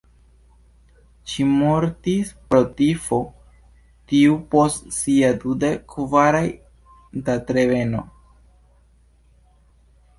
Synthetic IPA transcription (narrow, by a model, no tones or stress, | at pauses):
ʃimo̞ɾtispɾo̞tifo̞ | tiupo̞stsiadudekːvaɾaj | datɾe̞ve̞no̞̰